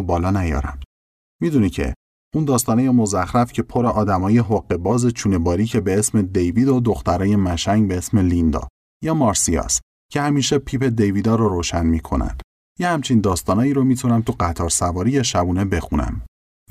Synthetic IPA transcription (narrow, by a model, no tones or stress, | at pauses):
bɒːlɒːnæjɒ̰ːɾæ̰m | miːd̪unicʰḛ | ʔuːnd̪ɒːst̪ɒːnejemo̞zæxɾæfcʲʰepʰo̞ɾeʔɒːd̪æmɒːje̞ɦoɢːe̞bɒːze̞t͡ʃʰuːne̞bɒːɾiːcʰe̞be̞esme̞d̪ejviːd̪od̪oxt̪æɾɒːje̞mæʃæŋɟbeesme̞lind̪ɒ̰ | jɒːmɒɾsijɒ̰st̪ | cʰe̞hæmiːʃepʰiːpʰe̞d̪e̞jviːd̪ɒːɾoɾoːʃænmiːkʰo̞̰næ̰nd̪̥ | jehæmt͡ʃʰind̪ɒːst̪ɒːnɒːjiːɾomiːt̪ʰunæmt̪ʰuɢæt̪ʰɒːɾsævɒːɾijeʃæbuːne̞be̞xunæ̰m